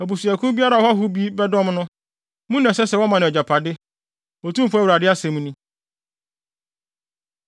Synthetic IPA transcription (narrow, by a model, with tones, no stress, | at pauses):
æ˨bu˨su˨æ˨kʰu˦bi˦a˦ɾa˨hɔ˦a˦ɦʊ˦bi˦bɛ˦dɔ̃˦mnʊ̃˦ | mũ˦nɛ̃˨sɛ˦sɛ˨wɔ˦mã˨nʊ̃˨d͡ʑa˨pʰa˨dɪ˦ | o˨tʰũ˦m̩˨fu˦wɾa˨dɪ˦a˦sɛ̃˨m̃˦nĩ˦